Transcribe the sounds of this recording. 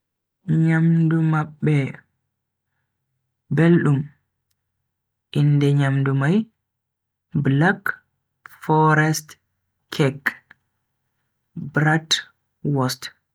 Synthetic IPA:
ɲamdumaɓːɛ | belɗum | ʔindɛɲamdumaj | blak | fɔɾɛst | kʰɛk | bɾat | wɔst

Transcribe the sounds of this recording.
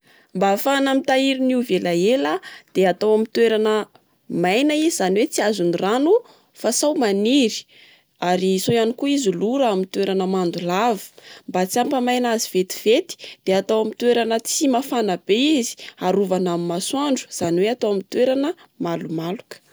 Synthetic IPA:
mbafanamit̪aiɾiniwvelaelad̪̥eat̪awamit̪weɾanə | majnaizizaniwet͡siazuniranu | fasawmaniɾi̥ | aɾisojanikuizuluɾaamint̪weɾanəmand̪ulavi̥mbat͡siampamajnaziv̥et̪i̥v̥et̪i̥d̪̥eat̪awamit̪weɾanət͡simafanəbeizi̥aɾuvanamimaswaɳɖ͡ʐu̥z̥aniweat̪awamit̪weɾanəmalumalukə̥

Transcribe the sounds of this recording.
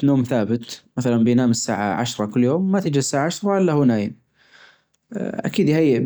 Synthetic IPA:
noːmθaːbɪt̪maθalanbɪjnaːmɪsːa̰ːʕa̰ʕa̰ʃɾˤɑkʊlːjoːmːat̪ɪd͡ʒɪsːaːʕaaʃɾˤɑʔɪlːahunaːjn | ʔa̰kiːd̪jhajːɪ

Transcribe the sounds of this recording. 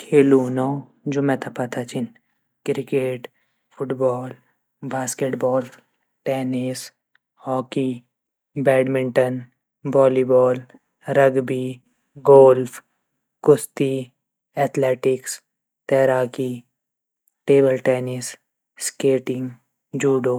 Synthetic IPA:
kʰeːluːna | d͡ʒomɛ̃t̪ʰapat̪ʰat͡ʃʰɪn | kɾɪkeːʈ | fʰʊʈbɔːl | baːskeːʈbɔːl | ʈɛːnɪs | hɔːki | bɛːɖmɪ̃ɳʈən | bɔːlibɔːl | ɾəɡbi | ɡoːlfʰ | kʊst̪i | ɛːt̪ʰleːʈɪks | t̪ɛːɾaːki | ʈeːbəlʈɛːnis | skeːʈɪ̃ŋɡ | d͡ʒuːɖoː

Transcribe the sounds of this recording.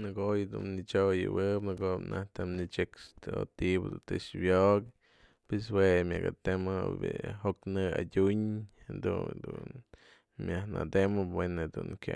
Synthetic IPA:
nɨɡoojd̪unnit͡ʃojɨwɨpnɨɡopnaht̪amnit͡ʃekst̪o̰t̪ibɨd̪unt̪eʃbjoʔk | pes̬wemʲaɡat̪emɨbihoknɨad̪ʲuɲhend̪ud̪un | mʲahnad̪emɨwenɨd̪unkʲa

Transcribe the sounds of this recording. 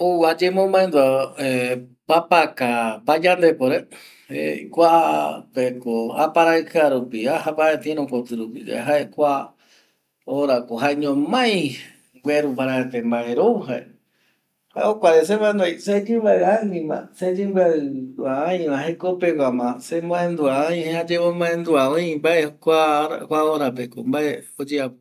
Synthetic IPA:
owad͡ʒemõmẽnd̪oepapakapad͡ʒand̪epoɾe | eikʷapekoa̰paɾakaɾupiahabaet̪iẽɾõkot̪ɨɾupḭd͡ʒa̰ɦaekʷa | oɾakoɦaeɲõmãj̃ | ɡʷeɾupaɾaet̪embaeɾoɦaʔe | haeokʷaɾes̬eβaenojsed͡ʒɨ̃baeanĩmã̰sed͡ʒɨmɡaɨaãj̃mãɦekopekʷamãsemõẽnd̪uaõj̃head͡ʒemomõẽnd̪uaõjmbaekʷaɾa̰kʷaoɾapeko̰mbaeod͡ʒea

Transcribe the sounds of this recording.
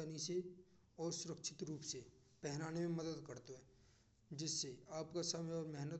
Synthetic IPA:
ənise | ɔːɾsʊɾəkʃʰɪ̥t̪ɾuːpse | pɛɦnaːnemẽmɐd̪əd̪kɐɾt̪oɦɛ | d͡ʒɪsːeaːpkasɐmjɔːɾmɛɦnət̪

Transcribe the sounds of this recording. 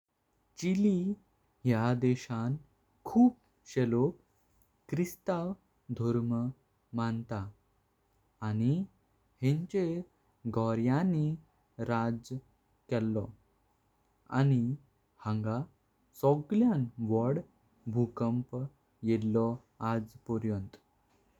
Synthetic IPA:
t͡ɕili | ɦjad̪ɛɕan | kʰuːp̚ | ɕelok | kːɾist̪aw | d̪ʱɔɾmə | mant̪a | ñi | hẽɲt͡ɕe | ɡʱɔɾjãni | ɾad͡z | kɛlːɔ | a̰ni | hãŋɡa | sɔɡljanʋəɽ | bʱukəmp | jellɔ | ad͡zpɔɾjənt̪

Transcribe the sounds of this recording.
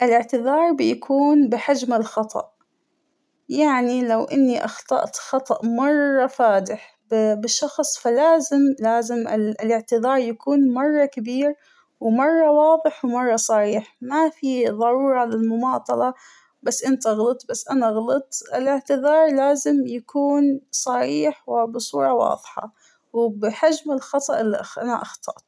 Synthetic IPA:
ʔɪlɪʕt̪ɪðɑːɾˤbɪjakʰuːnbɪħad͡ʒmɪlxɑt̪ˤʰɑ̰ʔ | jaʕnilawʔɪnːiʔɑxt̪ˤɑ̰ʔt̪xɑt̪ˤɑʔmɑrˤːɑfaːd̪ɪħ | bbɪʃːɑxsˤfalaːzɪmlaːzɪmɪɪlɪʕt̪ɨðˤɑːɾˤjakuːnmɑrˤːɑkabiːɾ | wmɑrˤːɑwɑːðˤɨħwmɑrˤːɑsˤɑɾiːħmafiðˤɑɾuːɾˤɑlɪlmʊmɑːt̪ˤɑlɑ | basːʔɪnt̪aɣlɨt̪ˤbasːʔanaɣlɨt̪ˤʔɪlɪʕt̪ɪðɑːɾˤlaːzɪmjakʰuːnsˤɑɾiːħwɪbɨsˤuːɾˤɑwɑ̰ːðˤħɑ̰ | wbɪħad͡ʒmɪlxɑt̪ˤɑʔɪlːiʔʔana̰ʔɑxt̪ˤʰɑ̰ʔt̪

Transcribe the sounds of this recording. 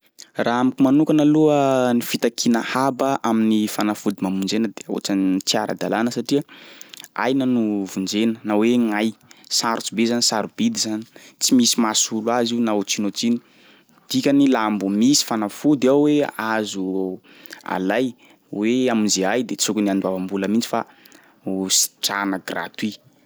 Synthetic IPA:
raamikʲimanukanaluənifit̪akʰinəhabəʔaminifanafud̪imamund͡ʒenəd̪eo̰ʈ͡ʂant͡siaɾʔə̰d̪alanəsaʈ͡ʂiə | a̰jnənuvund͡zenənaweŋajsaɾut͡subezanisaɾubid̪izani̥t͡simisimasulwaziunaot͡sinot͡sini̥ | d̪̥ikʲanilambumisi̥fanafud̪aweazu | a̰laj | weaminzeajd̪et͡sukʲuniand̪wavambuləmint͡si̥fa̰ | usi̥ʈ͡ʂanəɡra̰t̪wi

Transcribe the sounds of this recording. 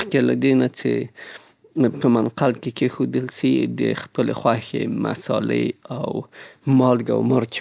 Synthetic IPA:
χkelad̪inat͡sḛ | pmanqalkekexud̪ilsid̪eχpeleχwaxḛma̰solḛawmolɡa̰wmoɾt͡ʃ

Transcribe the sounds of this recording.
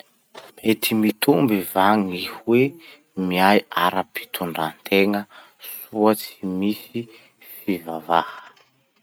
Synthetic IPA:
met̪ʰimit̪umbivaŋihuwe | miajaɾapi̥t̪ʰuɳɖ͡ʐant̪ʰeŋə | suat͡si̥misi | fivavahə̥

